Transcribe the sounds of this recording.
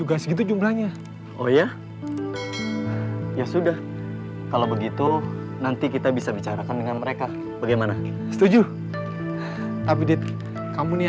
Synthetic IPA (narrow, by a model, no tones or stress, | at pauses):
uɡasɡit̪̬ud͡ʒumblaɲa | ʔoja | jasudah | kalabəɡit̪u | nant̪ikit̪abisabit͡ʃaɾakandəŋanməɾeka | baɡajmana | sə̥t̪ud͡ʒu | t̪ap̬idi | kamuni